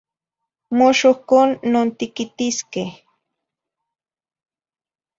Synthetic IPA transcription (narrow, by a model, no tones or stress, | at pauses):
moʃohkoːnːoːnt̪ikit̪iskeh